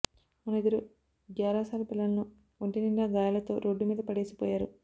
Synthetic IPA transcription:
munid̪ɐɾu | ɡjaːɾaːsaːlɐpilːɐlnu | oɳʈiniɳɖaɡaːjɐlɐt̪o̞̰ːɾoɖːumiːd̪ɐpɐɽeːsi̥pɔ̰ːjaːɾṵ

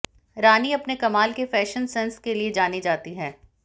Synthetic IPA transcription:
ɾaːniɐpnekɐmaːlkefɛːʃənsɛnskelied͡ʒaːnid͡ʒaːt̪iɦɛː

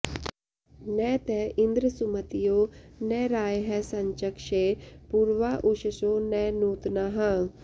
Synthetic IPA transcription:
nɛːt̪ɛːʔɪnd̪ɾəsʊmət̪ijoːnɛːɾaːjɦɛsəɲt͡ʃəkʃeːpuːɾʋaːʔʊʃəsoːnɛːnuːt̪naːɦãː

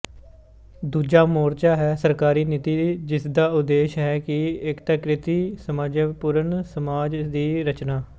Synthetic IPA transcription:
d̪uːd͡ʒaːmoːɾt͡ʃaːɦɛːsəɾkaːɾiːnɪt̪iːd͡ʒɪsd̪aːʊd̪eːʃɦɛːkɪɪkt̪aːkɾɪt̪iːsəmaːd͡ʒəpʊɾənsəmaːd͡ʒd̪iːɾət͡ʃnaː

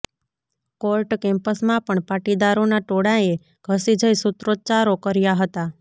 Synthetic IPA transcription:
kolʈkɛ̃mpəsmãpəɳpaʈid̪aɾonaʈoɽãe | ɡʱəsid͡ʒəjsʊt̪ɾot͡ʃaɾokəɾjaɦət̪a

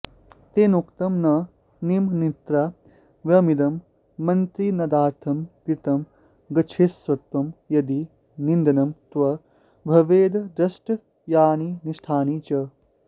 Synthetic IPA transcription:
t̪eːnukt̪ɐmnɐ | nimnit̪ɾa | ʋjɐmid̪ɐmː | ɐnt̪ɾinɐd̪aːɾt̪ʰɐmkɾit̪ɐm | ɡɐt͡ʃʰesʋɐt̪ʋɐmjɐd̪i | nind̪ɐnɐmt̪ʋɐ | bʱɐʋeːd̪d̪ɾɐsʈ | jaːniniʃʈʰaːnit͡ʃɐ

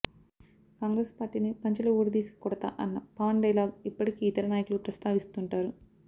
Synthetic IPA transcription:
kaːŋɡɾespaːɾʈiːnipɐɲt͡ʃɐlɐuːɾɐd̪iːsi̥kɐ̥kuɽɐt̪a̰ːʔɐnːɐpɐʋɐnɖɐjlaːɡipːɐʈikiːit̪ɐɾɐnaːjɐkulupɾɐst̪aːʋist̪uɳʈaːɾu

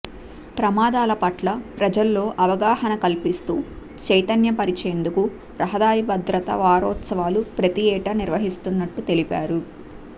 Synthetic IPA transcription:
pɾɐmaːd̪aːlɐpɐʈlɐpɾɐd͡ʒɐlːo̞ːʔɐʋɐɡaːhɐnɐkɐlpist̪uː | t͡ʃɐjt̪ɐnjɐpɐɾit͡ʃeːnd̪uku | ɾɐɦɐd̪aːɾibɐd̪ɾɐt̪ɐ̰ʋaːɾɔːt̪sɐʋaːlupɾɐt̪iɛːʈɐniɾʋɐɦist̪unːɐʈːut̪e̞lipaːɾu

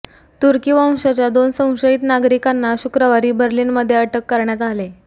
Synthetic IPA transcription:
t̪uɾkiʋãw̃ɕat͡ɕjad̪onsə̃w̃ɕəit̪naɡɾikanːaɕukɾəʋaɾiːbəɾliːnməd̪ʱːjeəʈəkːəɾɳjat̪ale

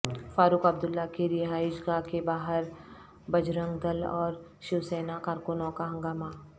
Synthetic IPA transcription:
faːɾuːkɐb̚d̪ʊlːakiɾɪɦaːɪʃɡakebaːɦəɾ | bɐd͡ʒɾə̃ŋɡd̪əlɔ̰ːɾʃɪʋsɛːnakaːɾkʊnõkaɦɐ̃ŋɡaːma

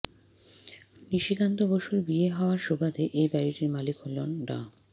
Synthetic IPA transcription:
niʃikant̪oboʃoɾbieɦaoaɾʃobad̪eʔejbɛɾiʈiɾmalikɦolonɖa̰

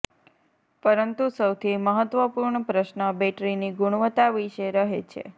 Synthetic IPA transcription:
pəɾənt̪usəwt̪ʰiməɦət̪ʋəpuɾɳəpɾəʃnəbeʈɾiniɡuɽ̃ʋət̪aʋiʃeɾəɦet͡ʃʰḛ

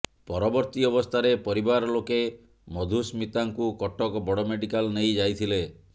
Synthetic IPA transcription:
pɔɾɔbɔɾt̪iɔbɔst̪ʰaɾepɔɾibaɾɔloke | mɔd̪ʱusmit̪aŋkukɔʈɔkɔbɔɽɔmeɖikalnejd͡ʒajt̪ʰile

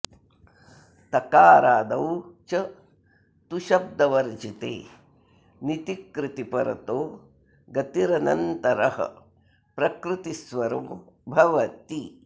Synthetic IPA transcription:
t̪ɐkaːɾaːd̪ɐwt͡ʃɐ | t̪uʃɐb̚d̪ɐʋɐɾd͡ʒit̪ḛː | nit̪ikɾɪt̪ipɐɾɐ̰t̪oː | ɡɐt̪iɾɐnɐnt̪ɐɾɐɦɐ̰ | pɾɐkɾɪt̪isʋɐɾɐm | bʱɐʋɐt̪i

